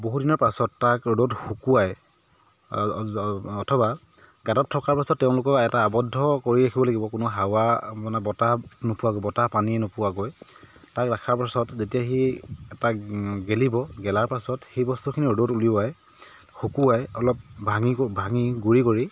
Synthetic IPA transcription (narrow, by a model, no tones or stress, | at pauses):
boɦudinɔɹpasɔtːakodotxukuwaj | ɔtʰɔba | ɡatɔtʰːɔkaɹpasɔtːɛʊ̃lʊkɔkɛtaːbɔdʱːɔkoɹiɹakʰibɔlaɡibɔkʊnʊɦawamanɛbɔtanopʊwaɡɔjbɔtapaniɛnopʊwaɡoj | takɹakʰaɹpasɔtzetijaɦiɛtaɡelibɔɡɛlaɹpasɔtxejbɔstukʰiniodotuliʊwaj | xukuajɔlɔp̚bʱaŋibʱaŋiɡuɹikoɹi